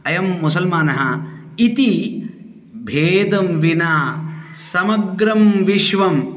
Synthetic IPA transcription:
ɐjɐmːusɐlmaːnɐɦɐ | it̪i | bʱeːd̪ɐmʋinaː | sɐmɐɡɾɐmʋiʃʋɐm

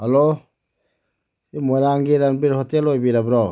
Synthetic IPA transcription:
halo | imɔɾaŋɡiɾanbiɾhɔtelojbiɾabɾɔ

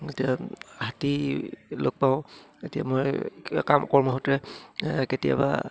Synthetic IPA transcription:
etijahatilok̚paʊ̃ | etija̰mojkamʔɔkɔɹmɔɦotɛketija̰ba̰

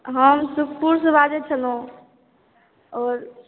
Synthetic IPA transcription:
ɦəmsukpuɾsəbad͡ʒet͡ʃʰəlõ | ɔːɾ

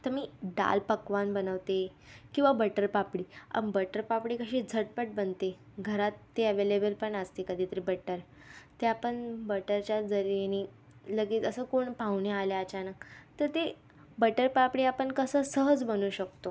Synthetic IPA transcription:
t̪əmiːɖa̰lpəkʋanbənəʋt̪ekĩw̃ʋabəʈəɾpapɽiːa̰bəʈəɾpapɽiːkəɕiːd͡zʱəʈ̚pəʈ̚bənt̪e | ɡʱəɾat̪ːeəʋelebəlpəɳəst̪ekəd̪ʱit̪əɾibəʈəɾ | t̪eapəɳbəʈəɾt͡ɕjad͡zəɾieni | ləɡiːt̪əsəːkoɳpawɳealjət͡ɕanəkt̪əɾt̪e | bəʈəɾpapɽiːapəɳkəsəːsəɦəd͡zbənuːɕəkt̪o

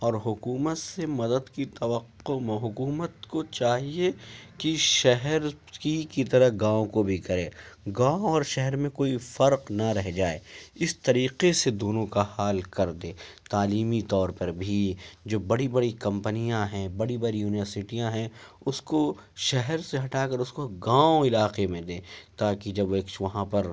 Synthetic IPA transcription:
ɔːɾɦʊkuːmət̪semɐd̪əd̪kit̪ɐʋəqːomẽɦʊkuːmət̪kot͡ʃaːɦiekiʃɛɦɛɾ | kikit̪ɐɾəɦɡãːõkobʱikɐɾẽːɡãːõɔːɾʃɛɦɛɾmẽkoːifɐɾqnɐɾɛɦd͡ʒaːḛːɪst̪ɐɾiːqesed̪oːnõkahaːlkɐɾd̪ẽːt̪aːliːmit̪ɔːɾpɐɾbʱid͡ʒoːbɐɽibɐɽikɐ̃mpənijãɦɛ̃bɐɽibɐɽijuːnɪʋəɾsɪʈijãɦɛ̃ʊskoʃɛɦɛɾseɦɐʈaːkɐɾʊskoɡãːõɪlaːqemẽd̪ẽːt̪aːkid͡ʒɐbeːkʋɐɦãpɐɾ

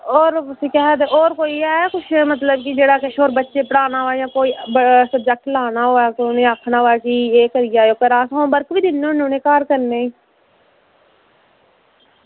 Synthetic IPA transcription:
oːɾsiːkɛɦd̪eːʔoːɾkoːiːɛkʊʃmət̪ləbkid͡ʒeːɽaːkɪʃʰoːɾbətːʃeːpəɽaːnaːɦoːɛːjãːkoːiːəsəb̚d͡ʒək̚ʈlaːnaːɦoːɛːkʊnẽːaːkʰnaːɦoːɛːkiːeːkəɾɪjaːeoːkəɾaːsɦõːbəɾkʋiːd̪ɪnːõːnõːnẽːkaːɾkəɾneːĩː

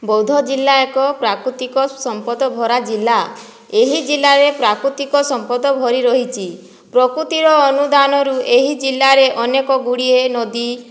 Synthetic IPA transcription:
bɔwd̪ʱɔd͡ʒilːaekɔpɾakɾut̪ikɔsɔmpɔd̪ɔbʱɔɾad͡ʒilːa | eɦid͡ʒilːaɾepɾakɾut̪ikɔsɔmpɔd̪ɔbʱɔɾiɾɔɦit͡ʃʰi | pɾɔkɾut̪iɾɔːnud̪anɔɾueɦid͡ʒilːaɾeʔɔnekɔɡuɽienɔd̪i

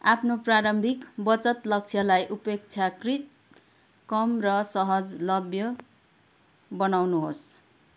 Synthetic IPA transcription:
apʰnopraɾʌmbʱikbʌt͡sʌt̪lʌk̚t͡sʰjʌlajʔupek̚t͡sʰjakrit̪̚ | kʌmrʌsʌɦʌd͡zlʌbjʌ | bʌnawnuɦos

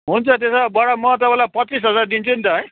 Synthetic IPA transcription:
ɦunt͡sʰʌt̪̬esabaɽamʌt̪̬ʌpãlapʌis̬ɦʌd͡zard̪int͡sʰunt̪ʌɦʌj

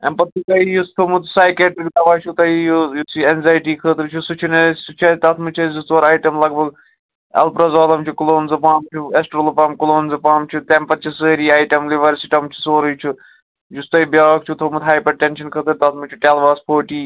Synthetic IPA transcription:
ɐ̰npɐt̪̚t̪uk̪ɐijust̪ʰomut̪saːjkʲeːʈɾik̚d̪ɐʋaːt͡ʃʰut̪ɐijojusienzaːjʈiːkʰəːt̪ɨɾt͡ʃʰusut͡ʃʰunesut͡ʃʰɐt̪ɐt̪ʰmɨt͡ʃʰɐzust̪ʋoɾaːjʈɐmlɐɡbʱɐɡ | ɐ̰lpɾɐzaːlɐmt͡ʃʰukuloːnzɨpaːmt͡ʃʰuesʈɾoːlɨpaːmkuloːnzɨpaːmt͡ʃʰut̪empɐt̪t͡ʃʰisəːɾiːaːjʈɐmliʋɐɾsiʈɐmt͡ʃʰu̥soːɾɨjt͡ʃʰu | d͡ʒust̪ɐibjaːkt͡ʃʰut̪ʰomut̪ɦaːjpɐɖʈenʃɐnkʰət̪ɨɾt̪ɐt̪ʰmɨt͡ʃʰuʈeːlʋaːspʰoːʈiː

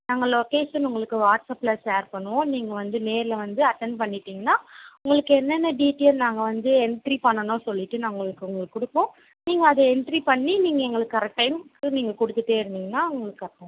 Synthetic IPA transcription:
naːŋɡɐloːkeːʂɐnʊŋɡɐɭɯkːɯʋaːʈsɐpːlɐseːɾpɐɳːɯʋõːniːŋɡɐʋɐnd̪ɯneːɾɪlɐʋɐnd̪ɯɐʈːɛɳɖ̚pɐɳːɪʈːiːŋɡɐnːaːʊŋɡɐɭɯkːɯɛnːɛnːɐɖiːʈeːlnaːŋɡɐʋɐnd̪ɯɛɳʈɾipɐɳːɐnõːsɔlːɪʈːɯnaŋɡɐɭɯkːɯʊŋɡɐɭɯkːʊɽɯpːõː | niːŋɡɐːðɐɛɳʈɾipɐɳːiniːŋɡɐɛŋɡɐɭɯkːɐɾɛk̚ʈːɐɪmkːɯniːŋɡɐkʊɽɯt̪ːɯʈːeːɪɾɯnd̪iːŋɡɐnːaːʊŋɡɐɭɯkːɯɐpːõ

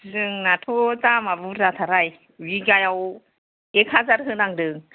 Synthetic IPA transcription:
zɯŋnatʰot͡samavuɾat̪ʰaɾaj | wiɡajaw | ekʰazaɾɦɯnaŋdɯŋ

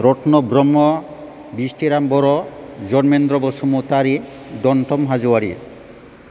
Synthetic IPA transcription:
ɾɔʈʰnɔbɾɔmːɔ | bisʈʰiɾambɔɾɔd͡ʒɔnmend̪ɾɔbɔsɔmut̪aɾi | d̪ɔɳʈɔmɦad͡ʒuwaɾḭ

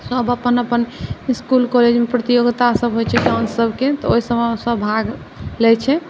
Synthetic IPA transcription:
səbəpənəpəniskulkɔled͡ʒmepɾət̪ijoɡt̪asəbɦojt͡ʃʰɛkansəbʱket̪ɔoisəmsəbːʱaɡ | lɛt͡ʃʰɛ

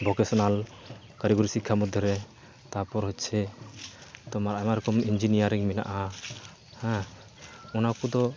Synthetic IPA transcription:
bɔkɛsɔnal | kaɾiɡuɾisikʰːamud̪ʱjɔɾɛ | t̪apɔɾɦɔtt͡ʃʰɛ | t̪ɔmaɾamaɾɔkɔmiɲd͡ʒinijaɾiŋmɛna̰ʔa | hɛ̃ | ɔnakud̪ɔ

